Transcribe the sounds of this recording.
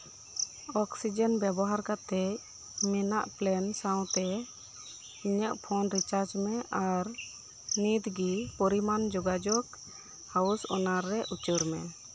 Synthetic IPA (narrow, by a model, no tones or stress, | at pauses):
ɔksid͡ʒənbjabɔɦaɾkat̪ɛc | mɛnaʔplɛnsaw̃t̪ɛ | iɲəʔpʰɔnɾit͡ʃaɾd͡ʒmɛʔaɾ | nid̪ɡipɔɾimand͡ʒɔɡad͡ʒɔk | hausɔnaɾːɛʔut͡ʃuɾmɛ̰